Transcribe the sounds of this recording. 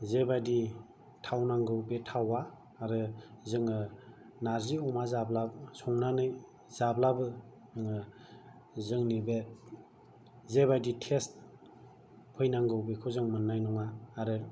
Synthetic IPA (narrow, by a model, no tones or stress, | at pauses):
zebajdi | tʰawnaŋɡɯwbetʰawaː | ɾɯzɯŋɯ | naɾziɔmazablabsɔŋnanɯj | z̥ablabɯ | ɯŋɯ | zɯŋnibe | zebajditʰest̚ | pʰɯjnaŋɡɯwbekʰɯzɯŋmɯnːajnɔŋaːɾɯ